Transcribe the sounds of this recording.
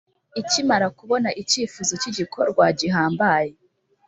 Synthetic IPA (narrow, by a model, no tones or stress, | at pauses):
icimaɾakuβo̞naʔiciːfuːzociɟikʰo̞ɾɡwaɟiɦaːmbaje